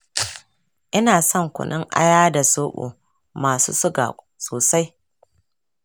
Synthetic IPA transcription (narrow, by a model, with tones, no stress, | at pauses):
ʔɪ˦naː˨sɔ˦˨ŋkʷʊ̰˨nɪ˦ŋʔa̰˦jaː˦da˨soː˦ɓṵ˨ | maː˨sṵː˦sʊ˦ɡa̰˨ | soː˨sa˦j